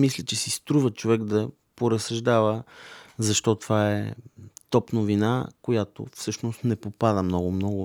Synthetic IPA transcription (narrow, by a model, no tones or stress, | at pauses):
mislʲɛt͡ʃɛsist̪ɾuvət͡ʃovɛɡd̪ɐ | poɾɐsɐʒd̪avəzɐʃt̪ɔt̪ovaɛ̰t̪ɔpnovina̰kojat̪o̰fsɤʃnost̪nɛpopad̪əmnɔɡʊmnɔɡʊ